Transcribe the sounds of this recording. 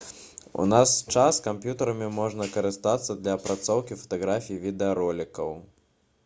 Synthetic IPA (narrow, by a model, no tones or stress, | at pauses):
ṵnast͡ʂaskampjut̪ɐɾɐmʲimɔʐnɐkɐɾɨst̪at̪sːɐd̪lʲɐːpɾat̪sɔwkʲifɐ̥t̪aɣɾafʲijivʲid̪ɛɐɾɔlʲikɐw